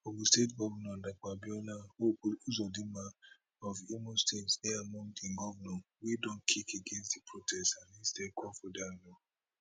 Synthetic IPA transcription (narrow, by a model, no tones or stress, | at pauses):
obustetɡɔvnɔ̃dak͡pabiɔnãouzɔdimã | ɔvimostenseamãntĩnɡɔvnɔ̃widɔ̃nkʰikeɡẽnstdipʰɾotʰɛstanistekɔfodalɔ